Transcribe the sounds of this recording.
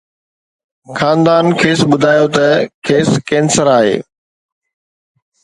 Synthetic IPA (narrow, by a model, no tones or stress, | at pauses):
xaːnd̪aːnkʰeːsɓʊd̪ʱaːjot̪ɐkʰeːskẽːnsəɾaːɦḛː